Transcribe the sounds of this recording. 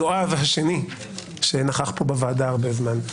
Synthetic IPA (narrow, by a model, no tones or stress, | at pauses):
oavɦaʃe̞ni | ʃenaχaχpo̞bavaːdaːʁbezman